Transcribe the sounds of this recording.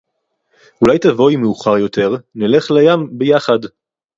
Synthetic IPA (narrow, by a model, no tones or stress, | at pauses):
ulajtavo̞jmeuχaʁjo̞tʰe̞ʁnile̞χlajambejaχad